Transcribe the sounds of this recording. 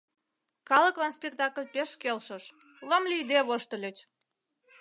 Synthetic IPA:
kɑlə̆klɑnspʲek̚t̪ɑkəlʲpeʃkelʃəʃ | ləmlʲiid̪eβoʃt̪ə̆lʲøt͡ɕ

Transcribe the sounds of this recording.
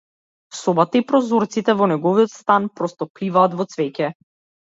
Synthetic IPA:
sɔbat̪aipɾɔzɔɾt̪sit̪ɛvɔnɛɡɔviɔt̪st̪anpɾɔst̪ɔplivaːt̪vɔt̪svɛcɛ

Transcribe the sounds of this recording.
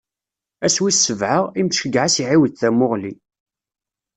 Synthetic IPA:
æswisːəvʕəʁimʃəɡʕasiʕiwðθæmʊʁli

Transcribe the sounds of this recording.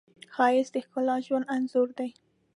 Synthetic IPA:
xɑjɪsd̪əxkolɑʒwand̪anzʊɾd̪aj

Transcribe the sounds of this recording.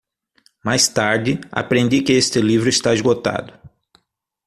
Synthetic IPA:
majst̪aɾd̪ɪa̰pɾẽnd̪ikɪest̪ɪlivɾʊɪst̪aɪzɡot̪a̰d̪ʊ

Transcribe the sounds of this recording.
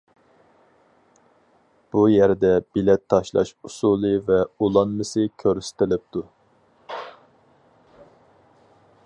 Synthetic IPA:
b̥ujɛɾd̪ɛbilɛt̪ʰːɑʃlˠɑ̰ʃusulˠɨvɛulˠɑnmɨsɨkʲʰøɾsɪ̥t̪ʰɪlɪp̚t̪ʰu

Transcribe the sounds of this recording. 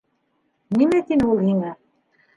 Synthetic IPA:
nimæt̪inɘulˠhiŋæ

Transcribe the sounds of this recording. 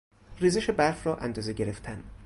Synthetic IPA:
riːzeʃebæɾfɾɒːʔænd̪ɒːzeɟe̞ɾe̞ft̪ʰæn

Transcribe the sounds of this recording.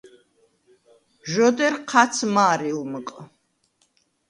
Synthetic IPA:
ʒɔd̪ɛɾqʰat̪sʰmaːɾilməkʼ

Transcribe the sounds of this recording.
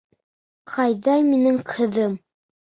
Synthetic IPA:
qʰɑjðɑjminɘŋqʰɤ̆ðɤm

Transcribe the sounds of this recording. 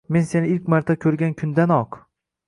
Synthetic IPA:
me̞nse̞nɪɪlkʲmaɾt̪ʰakʲʰɵɾɡʲankʲʰʊnd̪anɒq

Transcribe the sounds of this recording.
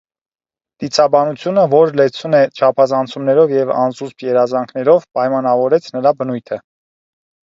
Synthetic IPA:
t̪it͡sʰɑbɑnut͡sʰjunəvɔɾlɛt͡sʰunɛt͡ʃʰɑpʰɑzɑnt͡sʰumnɛɾɔvjɛvɑ̰nzuspʰjɛɾɑzɑŋkʰnɛɾɔvpɑjmɑnɑvɔɾɛt͡sʰnəɾɑbənujt̪ʰə

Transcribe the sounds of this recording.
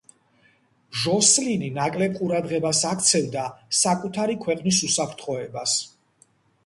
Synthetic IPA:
ʒɔslininakʼlɛb̚qʼuɾad̪ʁɛbasakʰt̪sʰɛvd̪asakʼut̪ʰaɾikʰwɛqʼnis̬usapʰɾt̪ʰχɔɛbas

